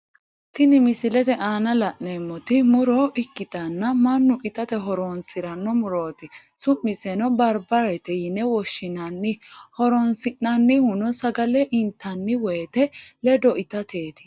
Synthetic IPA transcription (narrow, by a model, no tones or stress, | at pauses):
t̪ɪnɪmɪsɪlɛt̪ɛʔaːnɐlɐʔneːmːɔt̪ɪmʊɾoːʔɪkːɪt̪ɐnːɐmɐnːʊʔɪt̪ɐt̪ɛɦɔɾoːnsɪɾɐnːɔmʊɾoːt̪ɪ | sʊmːɪsɛnɔbɐɾbɐɾɛt̪ɛjɪnɛwɔʃːɪnɐnːɪhɔɾɔnsɪnːɐnːɪhʊnɔsɐɡɐlɛʔɪnt̪ːɐnːɪwɛjt̪ɛlɛd̪ɔʔɪt̪ɐt̪eːt̪ɪ̥